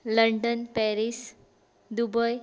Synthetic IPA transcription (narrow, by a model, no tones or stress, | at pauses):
ləɳɖənpɛɾis | d̪ubəj